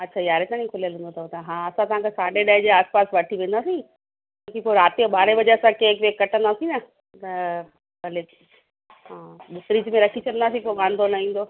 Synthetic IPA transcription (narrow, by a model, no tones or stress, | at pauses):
ɐtːɕʰaːjaːɾet̪aːñĩkʰʊlijəlɦũːnd̪ot̪ɐt̪ɐɦãːɐsãt̪ɐʋ̤ãkʰesaːɖeɗaːɪd͡ʑeaːspaːsʋɐʈʰiʋẽːnd̪aːsĩ | ãkipoɾaːt̪ioɓaːɽeʋɐd͡ʑasãkeːkʋeːkːɐʈʰə̃nd̪aːsĩnɐ | t̪ɐ | bɐle | ɦãːɓʊk̪ɾid͡ʑmẽɾɐkʰit͡ɕʰɐənd̪aːsĩpoʋãːn̆d̪ʱolaĩːn̆d̪o